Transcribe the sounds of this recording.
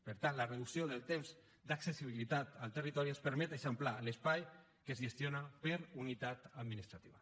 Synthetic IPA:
pəɾt̪anləreðusioðəlˠt̪emz | d̪aksesiβilit̪at̪alˠt̪ərit̪ɔɾiespəɾmɛt̪eʃəmplaləspaj | kəzʒest̪jonapəɾunit̪at̪ad̪minist̪ɾat̪iβa

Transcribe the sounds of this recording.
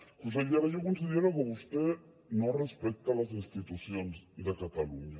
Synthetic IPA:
kus̬elaɾajok̬onsiðjeloɣoβust̪e | norespek̚t̪alas̬inst̪it̪usjonsðekat̪alṵɲa

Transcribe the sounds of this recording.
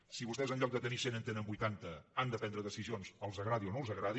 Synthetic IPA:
siβust̪ɛezənʎɔk̚d̪ət̪ənisenənt̪enəmbujt̪ant̪əand̪əpɛnd̪ɾəðəsizionzəlˠzəɣɾaðionolˠzəɣɾaði

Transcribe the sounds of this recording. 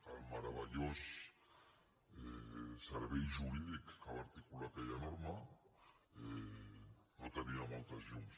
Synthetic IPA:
almaɾaβaʎos | esaɾβejʒuβiðekkaβaɾt̪ikulak̪ejanoɾma | e | not̪eniamalt̪azjum

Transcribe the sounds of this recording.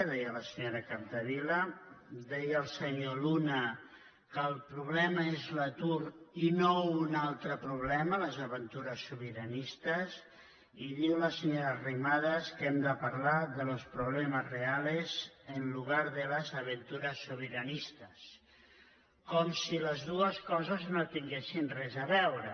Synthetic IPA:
ðɛjələsəɲoɾəkant̪əβiləd̪ɛjəlˠsəɲolunə | kəlˠpɾuβ̞lɛməezlət̪uɾinounalˠt̪ɾəpɾuβ̞lɛmələzəβənt̪uɾəsːuβəɾənist̪əz | iðiwləsəɲoɾərimaðəskɛmd̪əpaɾlaðələspɾuβlɛməzrealezənluɣ̞aɾðələzəβənt̪uɾəsːuβəɾənist̪əs | kɔmsiləzðuəskɔzəznot̪iŋɡesinrɛzəβɛwɾə

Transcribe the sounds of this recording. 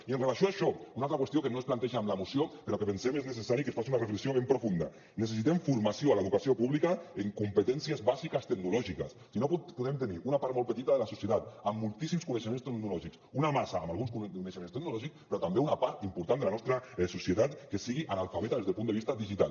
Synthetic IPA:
iənrelasjoaʃɔunalt̪ɾakwest̪jokenosplant̪eʒaːmlaemusjopeɾɔkepensemeznesesaɾikensfasiunarefleksioβempɾofund̪a̰ | nes̬es̬it̪emfuɾmasijoalaeðukasiopuβlikaeŋkumpət̪ɛnsiezβazikast̪eɡnulɔʒika̰ssinopuðemt̪eniʔunapaɾt̪molpet̪it̪aðelasusjet̪at̪amːulˠt̪isimskuneʃemẽnst̪eknulɔʒiksunamasaːmalɣunskuuneʃemẽnst̪eɡ̚nulɔʒikspeɾɔt̪ambeunapaɾt̪impuɾt̪and̪elanɔst̪ɾaɛsusjet̪at̪kesiɣiʔanalfaβet̪aðezðelpuneist̪aðiʒit̪a̰l

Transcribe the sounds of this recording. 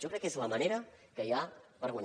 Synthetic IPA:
ʒokɾɛkːezləmaneɾəkəjapəɾɣwaɲ

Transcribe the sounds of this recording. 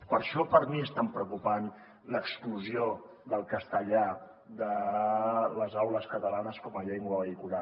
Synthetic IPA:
pəɾʃɔpəɾmiəst̪ampɾəukupan | ləkskluzio | ðəlˠkəst̪əʎa | d̪ə | ləzawləskət̪əlanəskɔməʎeŋɡwəβəðikula

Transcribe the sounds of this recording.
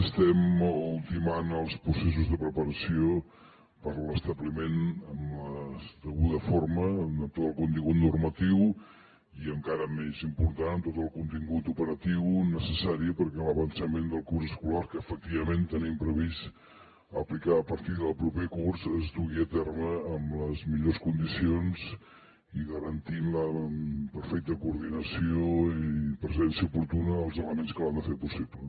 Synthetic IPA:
əst̪ɛmulˠt̪imanəlˠspɾuses̬uzðəpɾəpəɾəsio | pəɾləst̪əβlimenəmləst̪əɣuðəformət̪ot̪əlˠkunt̪iŋɡut̪nurmət̪iw | iəŋkaɾəmezimpuɾt̪annt̪ot̪əlˠkunt̪iŋɡut̪upəɾət̪iwnəsəsaɾiəpəɾkɛləβənsəmend̪əlˠkurzəskulaɾkəːfək̚t̪iβəment̪ənimpɾəβis | əplikaəpəɾt̪iðəlˠpɾupekurzəzt̪uɣiət̪ɛrməːmləzmiʎoskund̪isionz̥ | iɣəɾənt̪inləpəɾfɛk̚t̪əkuːɾðinəsioipɾəzɛnsiəupuɾt̪unəːlˠzələmenskəland̪əfepusiplə

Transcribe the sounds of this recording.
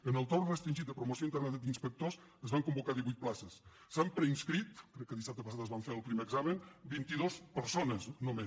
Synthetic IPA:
ənəlˠt̪orrəst̪ɾinʒit̪̚d̪əpɾumosioint̪əɾnat̪ad̪inspək̚t̪os | əzβaŋkumbukaðiβujt̪̚plasəs | sampɾəinskɾit̪kɾɛkːəðisap̚t̪əpəsat̪əzβaɱfeɾəlˠpɾimeːɡzamənbint̪iðospəɾsonəznomes

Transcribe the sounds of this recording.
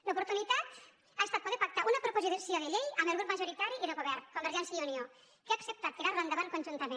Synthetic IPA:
lopuɾt̪unit̪at̪ | aest̪at̪̚poðeɾpak̚t̪aʔunapɾopoziðsioðeʎejɐmelɣɾup̚maʒoɾit̪aɾiiðeɣoβɛɾnkombeɾʒɛnsjieunio | keaksep̚t̪at̪̚keɾarand̪aβankonʒunt̪əmẽ

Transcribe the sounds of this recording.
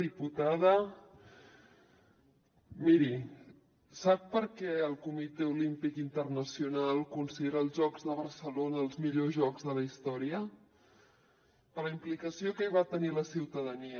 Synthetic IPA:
iput̪aðə | miɾi | sap̚pəɾkɛəlˠkumit̪eulimpikint̪ərnəsiunalˠkunsəeɾaːlˠzʒɔɡzðəβ̞əɾsəlonəːlˠzmiʎozʒɔɡzðələist̪ɔɾiə | pələimplikəsiokəiβat̪əniləsiwt̪əðəni

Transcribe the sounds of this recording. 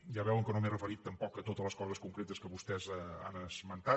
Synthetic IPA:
ʒaβɛwəŋkənomerəfəɾit̪ːəmpɔkət̪ot̪ələskɔzəskuŋkɾet̪əskəβust̪ɛzəa̰nəzmənt̪a

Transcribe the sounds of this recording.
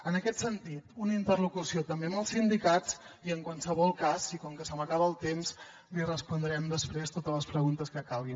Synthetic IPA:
ənəkɛt̪sənt̪it̪unəint̪ərlukusiot̪əmbeəməlˠsind̪ikat͡s | iəŋkwansəβɔlˠkazikɔŋkəsəmənaβəːlˠt̪emz | lirəspund̪ɾɛmd̪əspɾest̪ot̪ələspɾəɣunt̪əskəkalɣi

